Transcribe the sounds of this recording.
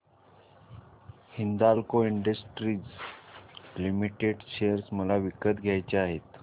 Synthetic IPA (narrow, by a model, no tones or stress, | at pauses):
hind̪alkoiɳɖəsʈɾiːd͡z | limiʈeɖɕejəɾsməlaʋikət̪ɡʱjajt͡ɕeaɦet̪